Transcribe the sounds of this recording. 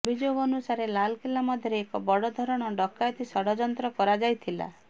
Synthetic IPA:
bid͡ʒoɡɔnusaɾelalkilːamɔd̪ʱjɔɾeːkɔbɔɽɔd̪ʱɔɾɔɽ̃ɔɖɔkːajɔt̪isɔɽɔd͡ʒɔnt̪ɾɔkɔɾad͡ʒajt̪ʰila̰

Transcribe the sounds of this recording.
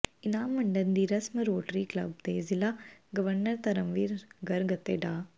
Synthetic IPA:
inaːmːɐɳɖɐnd̪iːɾɐsmɐɾoːʈɾiːklɐ̰b̚d̪eːzilaɡɐʋɐɾnɐɾt̪ɐɾɐmʋiːɾɡɐɾɡɐt̪ːeɖaː

